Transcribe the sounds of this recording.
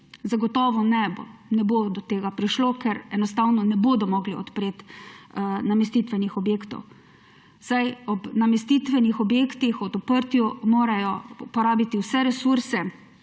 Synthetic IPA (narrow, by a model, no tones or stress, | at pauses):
zaɡɔt̪ɔːʋɔnɛbo̰nɛbod̪ɔt̪eːɡapɾiʃlokɛɾɛnɔst̪awnɔnɛboːd̪ɔmɔɡliɔ̰t̪pɾeːt̪ | namɛst̪iːt̪ʋɛnixɔbjeːkt̪ɔ̰w | sajɔbnamɛst̪it̪ʋɛnixɔbjeːkt̪ixɔd̪ɔpəɾt̪jumoːɾajɔpɔɾaːbit̪iwsɛɾɛsuɾsɛ